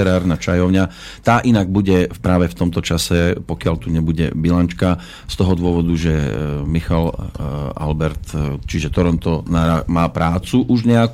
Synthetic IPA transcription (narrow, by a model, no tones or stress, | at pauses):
ɛɾaːɾnat͡ʃajɔʊɲa | t̪aːʔinaɡ̚buɟɛpɾaːʋɛft̪ɔmt̪ɔt͡ʃasɛpɔkɪalt̪uɲɛbuɟɛ̰bilant͡ʃka | st̪ɔɦɔd̪ʊɔʋɔd̪uʒɛmixal | a̰lbɛɾt̪t͡ʃiʒɛt̪ɔɾɔnt̪ɔnaɾamaːpɾaːt͡suʔuʒɲɛak